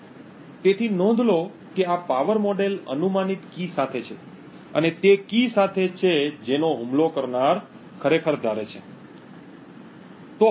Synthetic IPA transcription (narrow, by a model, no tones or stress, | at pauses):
t̪et̪ʰinɔ̃nd̪ʱlo | keapaʋəɾmɔɖelə̰numanit̪kisat̪ʰet͡ʃʰe | ə̰net̪ekisat̪ʰet͡ʃʰed͡ʒenoɦumlokəɾnaɾ | kʰəɾekʰəɾd̪ʱaɾet͡ʃʰe | t̪o